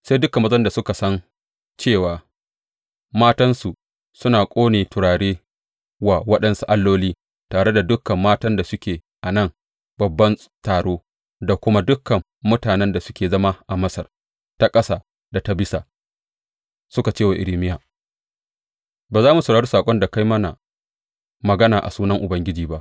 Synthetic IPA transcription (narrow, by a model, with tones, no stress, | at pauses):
se˦dʊ˦kmːɐ˦zɐ˦nda˨sʊ˦ka˨sɐ˦n | t͡ʃeː˦˨waː˨ | maː˦tɐ˦nsu˨ | sʊ˦naː˨kʷʼoː˦neː˨tʊ˨ɽaː˨ɽeː˦ | waː˨wɐ˦ɗɐ˦nsu˨ʔa˦lːoː˦liː˦ | taː˨ɽe˦da˨dʊ˦kɐ˨mːaː˦tɐ˦nda˨sʊ˦kʲeː˨ | ʔa˨nɐ˦˨ŋ | bɐ˨bːɐ˦n | taː˨ɽoː˦ | da˨kʷʊ˦ma˦dʊ˦kːɐ˨mːʊ˦taː˨nɛ˦nda˨sʊ˦kʲeː˨zɐ˦ma˦ʔa˨mɐ˦sɐ˨r | ta˦kʼɐ˦sa˦˨ | da˨ta˦bɪ˦saː˨ | sʊ˦ka˨t͡ʃeː˦˨wa˨ʔɪ̰˨liː˦mɪ˦jaː˨ | baː˨zaː˦mu˨sʊ˨ɽaː˨ɽu˦saː˨kʷʼɔ˦nda˨ka˦jmɐ˦na̰˨ | mɐ˨ɡɐ˦naː˨ʔa̰˨suː˦nɐ˦ŋʔʊ˨bɐ˦ŋɡʲɪ˦d͡ʒiː˨ba˦ʔ